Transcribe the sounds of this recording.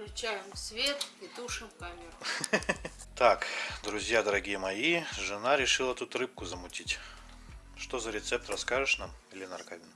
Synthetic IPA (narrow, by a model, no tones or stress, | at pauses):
ɾʲɪt͡ɕajɪmfsvʲet̪id̪uʂɨmkamʲɪr | t̪akd̪ɾʊzʲjad̪əɾɐɡʲijəmɐiʐɨnaɾʲɪʂɨlˠət̪ut̪rɨp̚kʊzəmʊtʲitʲ | ʂt̪ozəɾʲɪt̪sɛp̚t̪rɐskaʐɨʂnamɪlʲɪnɐrkavʲɪn